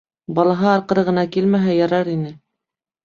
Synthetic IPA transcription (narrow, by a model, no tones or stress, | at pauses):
bɑlˠɑɦɑːɾqɤ̆ɾɤʁɤ̆nɑkilmæɦæjɑɾɑɾinɘ